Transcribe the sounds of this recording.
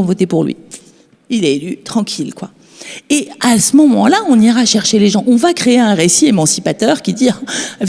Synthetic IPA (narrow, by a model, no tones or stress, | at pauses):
ɔ̃vɔt̪epuʁlɥḭ | ilɛelyt̪χɑ̃kʲʰilkwa̰ | easəmɔmɑ̰̃laɔ̃niʁaʃɛʁʃeleʒɑ̃ʔɔ̃vakχeeɛ̃ʁesiemɑ̃sipat̪œʁkʲid̪iv